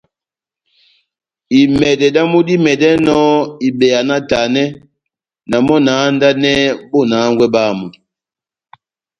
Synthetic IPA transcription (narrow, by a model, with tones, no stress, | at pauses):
i˨mɛ˨dɛ˨da˦mu˦di˦mɛ˨dɛ˦nɔ˦i˨bɛ˨ja˨na˦ta˨nɛ˦ | na˨mɔ˦na˨˦nda˦nɛ˦bo˦na˨˦ŋɡwɛ˦ɓa˦˨mɔ˨